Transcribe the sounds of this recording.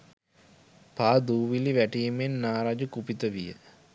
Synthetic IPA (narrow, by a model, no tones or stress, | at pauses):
paːd̪uːʋiliʋæʈijemenːaːɾad͡ʒukupit̪əʋijə̰